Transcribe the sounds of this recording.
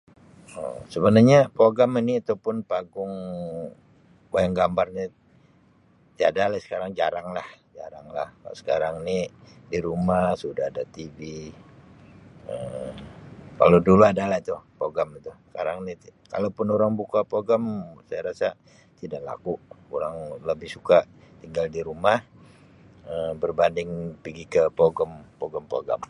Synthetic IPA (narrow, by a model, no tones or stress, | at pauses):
ə̰səbənarɲapoɡaminiat̪awpʊnpaɡʊŋ | bajaŋɡambarɲa | t̪iadalahsə̥kaɾaŋd͡ʒa̰ɾaŋlahd͡ʒa̰ɾaŋla̰hkalsə̥kaɾaŋinidiɾumasudaadat̪ivi | ə | ka̰loduluadalahit̪ʊpoɡamit̪usə̥ka̰ɾaŋnika̰lawpʊnoɾaŋbukapoɡamsajaɾasa | t̪idaʔla̰kuʔoɾaŋləbɪhsuka | t̪iŋɡaldiɾumah | əmbərbandɪŋpiɡikəpoɡəmpoɡəmpoɡa̰m